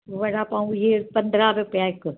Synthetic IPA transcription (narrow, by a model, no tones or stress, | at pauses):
ʋɐɽapãːũjeːpɐnd̪ɾaʋepjaːɪk